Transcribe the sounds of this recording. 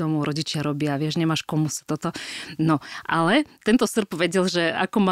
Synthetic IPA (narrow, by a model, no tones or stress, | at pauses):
ɔmuɾʔɔɟit͡ʃɪaɾɔbɪaʋɪɛʒɲɛmaːʃkɔmusḁt̪ɔt̪ɔnɔʔalɛt̪ɛnt̪ɔsr̩pʋɛɟɛlʒɛa̰kɔma